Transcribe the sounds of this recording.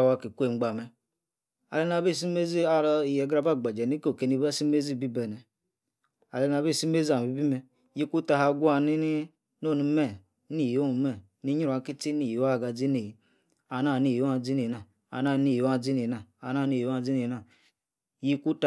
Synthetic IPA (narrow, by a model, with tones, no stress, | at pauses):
wa˦ki˨kʷe˦˨ŋ͡m̩˦ɡ͡ba˨mɛ˨ | a̰˨le˦na˨be˦˨s̬i˦me˦zi˦a˦˨ɾi˨jɛ˨ɡɾa˨ba˦˨ɡ͡ba˨d͡ʒa˨ni˦ko˨ke˨ni˦ba˦si˦me˦zi˦˨bi˦bɛ˨nɛ˨ | a˨le˦n˨a˨be˦˨si˦me˦zi˦a˨bi˦bi˦mɛ˨ | ji˦ku˦ta˧ha˨˦ɡu˦a˨ni˦ni˦ | no˦˨ni˨˦mɛ˦˨˦ | ni˦˨jo˦u˨mɛ˦˨ | ni˦ɲi˦ɾa˨˦ki˦ti˦ni˨ja˦˨ɡa˨d͡zi˦ni˨ji˨ | a˨na˦˨ni˦˨˦a˦˨d͡zi˦ni˨na˨ | a̰˨na˦˨˦ni˦˨˦a˦˨d͡zi˦ni˨na˨a˨na˦˨ni˦˨˦a˦˨d͡zi˦ni˨na˨ | ji˦ku˦t